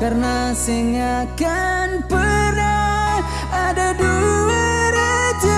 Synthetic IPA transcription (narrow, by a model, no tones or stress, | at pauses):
karnasəŋakanpəna | adaduuəɾat̪